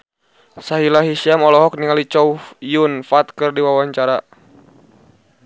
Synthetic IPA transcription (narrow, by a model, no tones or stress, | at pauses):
saɦilaɦiʃiamɔlɔɦɔk̚niŋalit͡ʃɔufjunfat̪kɨrdiwawaɲt͡ʃaɾa